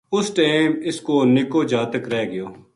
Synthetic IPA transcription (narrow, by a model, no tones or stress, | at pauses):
ʊsʈaːmɪskoːnɪkoːd͡ʒaːt̪əkɾɛːɡɪjoː